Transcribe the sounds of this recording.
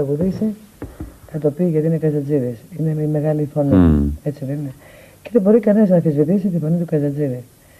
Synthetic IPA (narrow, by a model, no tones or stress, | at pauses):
ɐɣuðisi | kɐt̪o̞piʝɐt̪inekɐzɐd͡ziðisineme̞ɣɐlifo̞nḭe̞t͡siðene | ceðebo̞ɾikɐneɐznɐθizvit̪is̬it̪ifo̞nit̪ukɐzɐd͡ziði